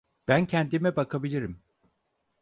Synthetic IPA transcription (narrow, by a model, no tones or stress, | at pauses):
b̥æncʰɛnd̪imɛbakʰabilʲiɾim